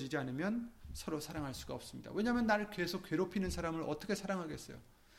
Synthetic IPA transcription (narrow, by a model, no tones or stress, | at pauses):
d͡ʑid͡ʑianɯmjʌnsʰʌɾosʰaɾaŋɦaɭs͈u̥ɡ̥aʌps͈ɯmɲida̰wʔe̞ɲamjʌnːaɾɯɭke̞sʰokke̞ɾopʰinɯnsʰaɾamɯɭʌ̰t͈ʌkʰe̞sʰaɾaŋɦaɡe̞s͈ʌ̰jo̰